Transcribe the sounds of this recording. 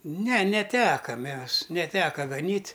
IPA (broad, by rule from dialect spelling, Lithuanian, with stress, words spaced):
nʲɛ nʲɛˈtʲæːkɐ ˈmʲɛs nʲɛˈtʲæːkɐ ɡɐˈnʲiːtʲ